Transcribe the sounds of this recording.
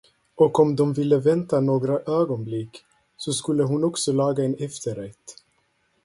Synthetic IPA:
ɔkɔmd̪ɔmvɪlːəvɛnt̪anoːɡɾaʔøːɡɔnblɪkː | sɔskɵlːəɦʊnɔksɔlɑːɡaɛnɛft̪ʰəɾɛt̪ː

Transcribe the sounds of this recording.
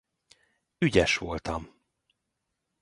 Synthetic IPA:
yɟɛʃʋo̞lt̪ɒm

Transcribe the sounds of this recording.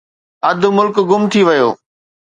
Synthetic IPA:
ɐd̪ʱʊ̆mʊlkɡʊmt̪ʰiʋɐjo̰ː

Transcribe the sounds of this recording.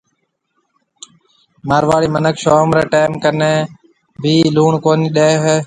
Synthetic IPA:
maːɾʋaːɽiːmənəkʰʃoːmɾeːʈeːmkəneː | bʱiːluːɳkoːniːɗeːɦeː

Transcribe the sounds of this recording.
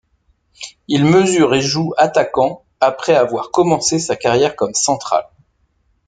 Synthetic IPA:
ilməzyʁeʒuat̪akɑ̃ | apχɛavwaʁkɔmɑ̃sesakaʁjɛʁkɔmsɑ̃t̪χa̰l

